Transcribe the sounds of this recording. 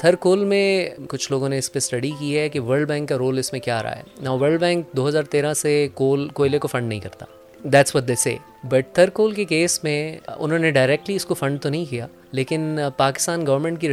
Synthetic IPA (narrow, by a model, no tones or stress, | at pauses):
t̪ʰɐɾkoːlmẽkʊt͡ʃʰloːɡõneɪspesʈɐɖikiɦɛkiʋəɾɖbɛ̃ːŋkːaɾoːlɪsmẽkja̰ːɾɐ̰ɦa̰ɛ̰naːʋəɾɭɖbɛ̃ːŋk̚d̪oːɦɐzaːɾt̪eːɾãsekoːlkoːɪlekofɐ̃ɳɖnɐɦĩkɐɾt̪a̰ː | d̪æːʈsʋɔʈ̚d̪eːsḛː | bɐʈ̚t̪ʰɐɾkoːlkekeːsmẽʊ̰nɦõːneɖaːɪɾeːk̚ʈliɪskofɐ̃ɳɖt̪onɐɦĩkijaː | leːkɪnpaːkɪ̥st̪aːnɡɐʋəɾmɛ̃ɳʈkiɾ